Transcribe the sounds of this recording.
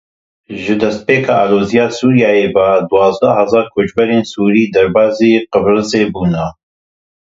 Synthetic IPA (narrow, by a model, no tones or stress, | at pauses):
ʒɨd̪ɛst̪̚peːkʰaːaːloːzijaːsuːɾijaːjeːbad̪uwɑːzd̪ɐhɛzɑːɾkʰot͡ʃbɛɾeːnsuːɾiːd̪ɛɾbaːzeːqəbɾɨzeːbuːna